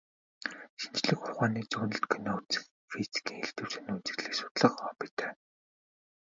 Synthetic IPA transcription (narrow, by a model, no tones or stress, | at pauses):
ʃint͡ɕɮɘ̆xχʊrχaːniːt͡suːnə̆ɬt̪kʰɵnɔt͡sɘ̥̆x | fisi̥kʰiːŋxeɮt̪ɘ̆w̥sɘ̆nunt͡sɘ̆ɣɮeːksʊ̥t̪ɮə̆χɔːpit̪æː